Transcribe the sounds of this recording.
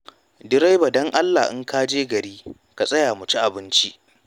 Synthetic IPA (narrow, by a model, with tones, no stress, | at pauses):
dɪ˦ɾa˦jba˨dɔ˦ŋʔa˦lːaː˨ʔɪ̰˦ŋkaː˦d͡ʒeː˦ɡɐ˨ɾiː˦ | ka˨sʼɐ˦jaː˨mʊ˨t͡ʃi˦ʔa˨bɪ˦nt͡ʃi˦ʔ